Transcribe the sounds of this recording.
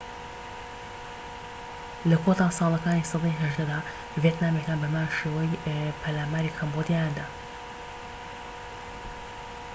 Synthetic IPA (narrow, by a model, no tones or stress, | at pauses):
lɐkʰot̪aːsɑːlˠɐkaːniːsɑd̪ɑjɦɐʒd̪ɐd̪aː | vjeːt̪naːmekaːnbɐmaːʃeːwɐjpʰɐlaːmaːɾikʰɐmbod̪jajand̪aː